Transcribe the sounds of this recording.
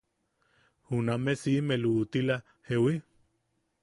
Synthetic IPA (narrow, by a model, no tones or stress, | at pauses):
hunamesimelut̪ila | hewi